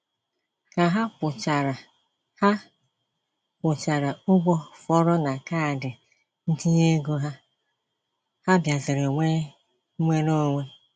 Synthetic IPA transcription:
ka˨ɦa˦kʊ˨t͡ʃa˨ɾa˨ | ha˦ | kʊ˨t͡ʃa˨ɾa˨ʊ˦ɡ͡bɔ˦fɔ˦ɾɔ˦na˨ka˦a˨dɪ˨ | n̩˦di˦ɲe˦ɡo˦ɦa˦ | ha˦bja˨zɪ˨ɾo˨ŋʷe˦ | ŋʷe˦ɾo˦˨ŋʷe˦

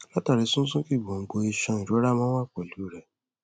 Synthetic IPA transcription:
la˦ta˨ɾi˨˦sũ˦sũ˦ki˦˨ɡ͡bɔ̃˨ŋ̩˨ɡ͡bo˧i˧ʃã˧ĩ˨ɾo˨˦ɾa˦˨mã˦wa˦˨k͡pɔ˨lu˨˦˨ɾɛ˨

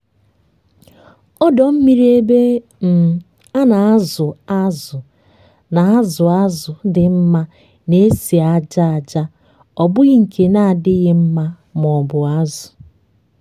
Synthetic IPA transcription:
ɔ˦dɔ˨m̩˦mi˦ɾe˦be˦ | m̩˨ | a˦na˨a˦zʊ˨a˦zʊ˨ | na˨a˦zʊ˨a˦zʊ˨dɪ˨m̩˦ma˦ | ne˦si˨a˦d͡ʒa˦a˨d͡ʒa˦ | ɔ˨bʊ˦ɣɪ˦ŋ̩˨kʰe˨na˦a˨dɪ˦ɣɪ˦m̩˦ma˦ | m˨ɔ˨bʊ˨a˦zʊ˨

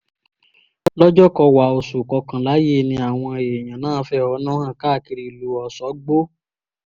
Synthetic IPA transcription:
lɔ˦d͡ʒɔ˦kɔ˧wa˨o˨su˨kɔ˧kã˨la˨˦je˦˨nĩ˧˦a˨w̃ɔ̃˧e˨j̃ã˨nãː˦˨˦fɛ˦ɔ˨˦nã˦hã˦˨ka˦˨ki˧ɾi˧˨lu˨ɔ˨sɔ˨˦ɡ͡bo˦

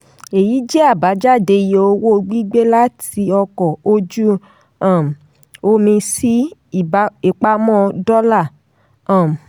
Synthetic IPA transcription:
e˨ji˨˦d͡ʒɛ˦a˦˨ba˨˦d͡ʒa˦˨de˧je˦o˧wo˦˧ɡ͡bi˦ɡ͡be˦la˦ti˧ɔ˧kɔ˨o˧d͡ʒu˦ | ã˦˨m˨ | o˧mĩ˧si˦˨˦ | i˨k͡pa˧mɔ̃˦dɔ˦la˦˨ | ã˦˨m˨

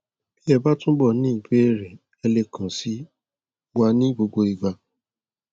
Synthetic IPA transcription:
ki˦ɛ˦˨ba˦tũ˦bɔ˦˨nĩ˦i˦˨be˨˦˨ɾe˨ | ɛ˧le˧kʰã˨si˦ | wa˧nĩ˦ɡ͡bo˧ɡ͡bo˧i˨ɡ͡ba˧

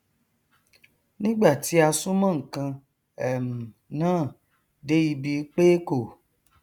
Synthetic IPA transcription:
nĩ˦ɡ͡ba˦˨ti˨˦a˧sũ˦mã˦˨ŋ̩˨kã˧ | ɛ˨mũ˨ | nãː˦˨ | de˨˦i˧bi˧˦k͡pe˦ko˦˨

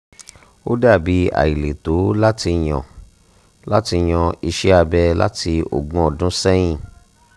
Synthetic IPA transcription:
o˦da˦˨bi˨˦a̰˨i˨le˨to˨˦la˦ti˧j̃ɔ̰̃˨ | la˦ti˧j̃ɔ̃˧i˧ʃɛ˦a˧bɛ˧la̰˦ti˧o̰˨ɡ͡bɔ̃˨˦ɔ˨dũ˨˦sɛ˦j̃ĩ˦˨

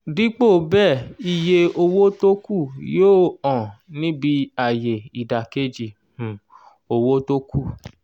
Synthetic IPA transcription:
di˦k͡po˦˨bɛ˦˨i˧je˧o˧wo˦to˦ku˦˨joː˦ɔ̃˨nĩ˦bi˧a˨je˨i˨da˨ke˦d͡ʒi˧˨ | hũ˨ | o˧wo˦to˦kʰu˦˨

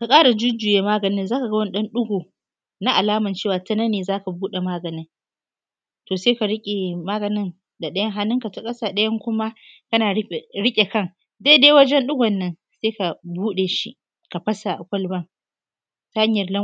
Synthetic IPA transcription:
ka˨kʼaː˦ɽa˨d͡ʒʊ˦d͡ʒʊː˨jeː˨maː˦ɡɐ˨nɪ˦nzaː˦ka˨ɡɐ˦wɐ˦n˦ɗɐ˦nɗʊ˦ɡoː˨ | na˦ʔa˨laː˦mɐ˨nt͡ʃeː˦˨waː˨tɐ˦nɐ˦neː˨zaː˦ka˨buː˦ɗe˨maː˦ɡɐ˨nɪ˦ŋ | toː˨seː˦ka˨ɽɪ˦kʲʼe˨maː˦ɡɐ˨nɪ˦n | da˨ɗɐ˦jɐ˦ŋɦa˦nːɪ˦ŋka˨ta˦kʼɐ˦saː˨ɗɐ˦jɐ˦ŋkʷʊ˦ma˦ | kɐ˦naː˨˦˨ɽɪ˦kʲʼe˨kɐ˦˨ŋ | deː˦deː˦wɐ˦d͡ʒɛ˦nɗʊ˦ɡʷɔ˨nːɐ˦n | seː˦ka˨buː˦ɗe˨ʃḭ˦ʔ | ka˨ɸɐ˦sa˨ʔa˨kʷɐ˦lbɐ˦ŋ | ta˨˦ha˦ɲjɐ˨rlɐ˦

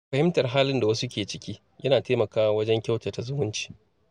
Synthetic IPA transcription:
ɸɐ˨hɪ˦mtɐ˨rɦaː˦lɪ˦nda˨wɐ˦su˦kʲeː˨t͡ʃɪ˦kʲiː˦ | jɐ˦naː˨teː˦mɐ˨kaː˦wa˦wɐ˦d͡ʒɛ˦ŋkʲa˦wte˨ta˨zʊ˦mʊ˦nt͡ʃi̥ː˨

